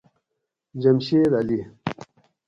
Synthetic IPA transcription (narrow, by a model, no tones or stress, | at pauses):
d͡ʑɐmɕeɾali